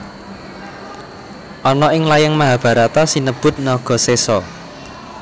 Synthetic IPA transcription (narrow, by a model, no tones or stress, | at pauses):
ʔɔnɔʔɪŋlajaŋmaɦab̥a̤ɾat̪ɔsinəb̥ʊ̤t̪̚nɔɡ̥ɔ̤sesɔ